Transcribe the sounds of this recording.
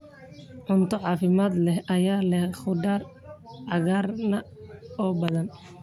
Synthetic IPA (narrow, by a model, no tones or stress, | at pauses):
ʕʊnt̪ʰɔʕɑːfɪmaːd̪lɛhɐjaːlɛχʊdaːrʕɑɣaːrnɐɔːbɐðɐn